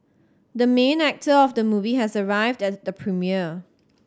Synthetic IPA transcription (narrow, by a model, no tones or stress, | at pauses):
dəmẽnæk̚təɔfdəmuviɦɛsəɹaɪvdɛt̚dəpʰɹimiə